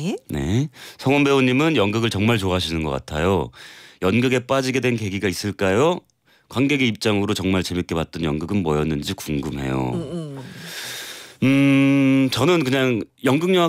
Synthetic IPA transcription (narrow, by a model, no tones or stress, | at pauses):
ne̞̰sʰʌŋonbe̞oɲimɯnjʌŋɡɯɡɯɭt͡ɕʌŋmaɭt͡ɕoaɕʰinɯnɡʌk͈a̰tʰa̰jojʌnɡɯɡe̞p͈ad͡ʑiɡe̞dwe̞nke̞ɡiɡais͈ɯɭk͈ajo | kwanɡe̞ɡe̞ip̚t͡ɕ͈aŋɯɾot͡ɕʌŋmaɭt͡ɕe̞mjik͈e̞pwat̚t͈ʌnjʌŋɡɯɡɯnmʌjʌnːɯnd͡ʑikuŋɡɯmɦe̞̰jo̰ | ɯ | t͡ɕʌnɯnkɯɲaŋjʌŋɡɯŋɲʌa